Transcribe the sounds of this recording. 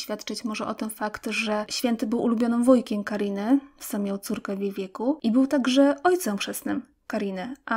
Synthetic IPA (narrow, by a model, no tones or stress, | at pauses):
fʲjat̪t͡ʂɘt͡ɕmɔʐɛʔɔt̪ɛnfakt̪ʐɛɕfʲjɛnt̪ɘbɘwʔulubʲjɔnɨmvɔjkʲɛmkaɾʲinɘsamʲːjɔ̃wt̪suɾkɛvʲjevʲjɛkuʔibɘwt̪aɡʐɛʔɔjt̪sɛmpʂɛsnɘm | kaɾʲinɘʔa